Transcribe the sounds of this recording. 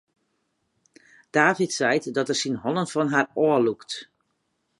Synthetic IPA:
d̥aːvitsɛjtdɔtɛrsinɦɔnənfɔnɦaːrɔəlukt

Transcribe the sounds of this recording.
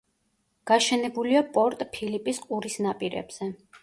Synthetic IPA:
ɡ̥aʃɛnɛbuliapʼɔɾt̪ʼpʰilipʼisqʼuɾisnapʼiɾɛ̰bz̥ɛ

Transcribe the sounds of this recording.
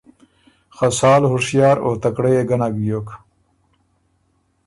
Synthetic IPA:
xɐsaːlhuɾʂjɑːɾoːt̪ɐkɽejeɡɐnaɡjok

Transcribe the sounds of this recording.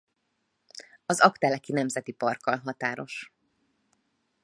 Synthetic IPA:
ɒzɒkt̪ɛlɛkinɛmzɛt̪ipɒrkɒlɦɒt̪aːɾo̞ʃ

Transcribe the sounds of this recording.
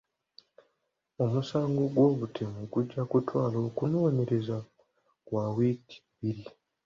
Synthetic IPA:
o̞musaːŋɡoɡwo̞ːβutʰemuɡuɟːakutwaːlo̞ːkunoːme̞ɾe̞za | wawitʰi̥βiɾi

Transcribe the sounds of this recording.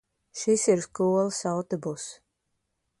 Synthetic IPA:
ʃisiɾskuɔlˠsawt̪ɔbus

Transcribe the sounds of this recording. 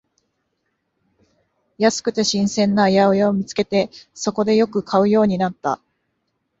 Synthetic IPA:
jasɨ̥kɯ̟t̪e̞ɕĩɰ̃sẽ̞nːajaojaomʲit͡sɨ̥ke̞t̪e̞so̞ko̞d̪e̞jo̞kɯ̟kʰaɯ̟jo̞ːɲ̟inat̪ːa̰

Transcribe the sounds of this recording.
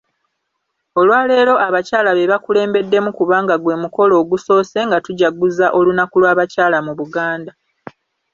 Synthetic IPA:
o̞lwaːle̞ːlo̞ʔaβacaːlaβe̞βakule̞ːmbe̞dːe̞mukuβaːŋɡaɡwe̞ːmuko̞lo̞ːɡuso̞ːse̞ŋɡatuɟaɡuzaʔo̞lunakulwaːβacaːlamuβuɡaːnda

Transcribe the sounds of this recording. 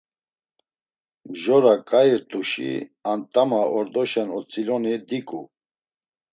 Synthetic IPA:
ʒɔɾakʼaiɾt̪ʼuʃḭant̪ʼamaɔɾd̪ɔʃɛnɔt͡sʼilɔnid̪ikʼu

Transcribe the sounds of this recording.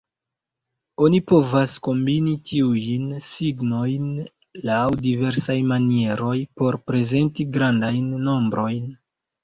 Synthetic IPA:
o̞nipo̞vasko̞mbinitʰiujnsiɡno̞jn | lawdive̞ɾsajmanie̞ɾo̞jpo̞ɾpɾe̞ze̞ntiɡɾandajnːo̞mbɾo̞jn

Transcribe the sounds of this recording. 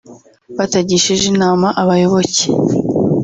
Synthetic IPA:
βataɟiʃiʒinaːmaʔaβajo̞βo̞ce̥

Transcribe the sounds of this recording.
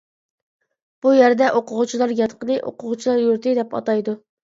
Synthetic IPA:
b̥ujæɾd̪ɛʔoqʰʊʁʊt͡ʃʰilˠɑɾjɑt̪qənɨʔo̰qʰʊʁʊt͡ʃʰilˠɑɾjuɾt̪ɨd̪ɛpɑ̰t̪ɑjd̪u

